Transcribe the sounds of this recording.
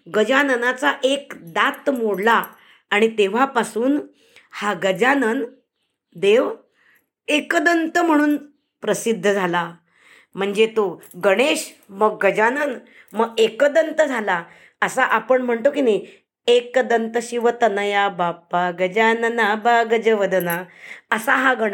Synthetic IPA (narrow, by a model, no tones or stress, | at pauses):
ɡəd͡ʑanənat͡saʔekd̪at̪moɽlaː | ɽ̃it̪eʋ̤apasuːn | haɡəd͡ʑanən | d̪eʋ | ekd̪ənt̪əm̤əɽ̃uːn | pɾəsid̪ʱːəd͡zʱala | m̤əɳd͡zet̪oɡəɽ̃eɕ | məɡːəd͡ʑanən | məɡekəd̪ənt̪əd͡zʱala | əsaʔapəɳm̤əɳt̪okine | ekd̪ənt̪əɕiʋət̪ənəjabapaɡəd͡ʑanənabaɡəd͡ʑəʋəd̪ənaəsaɦaɡəɽ